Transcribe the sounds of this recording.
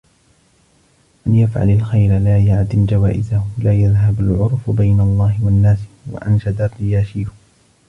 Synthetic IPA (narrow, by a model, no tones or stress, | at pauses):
ʔanjafʕa̰lalxajɾalaːjaʕd̪ɪmd͡ʒawaːʔɪzahlaːjaðɦabalʕʊɾˤfbajnalˤːɑːhɪwanːaːswa̰ʔanʃad̪arːɪjaːʃiːhʊ